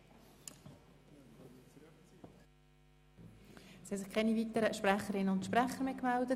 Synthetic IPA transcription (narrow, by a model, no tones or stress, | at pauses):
shɛsɪχkʰɛnivit̪əɾəʃpræχəɾɪnːəʊnt̪ʃpʁæχəɾmekmældə